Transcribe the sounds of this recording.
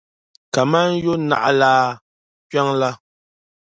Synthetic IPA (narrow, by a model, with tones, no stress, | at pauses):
ka˨ma˦n̩˦jo˦na̰˨ʔa̰˨laː˦˨ | kɥa˦ŋla˦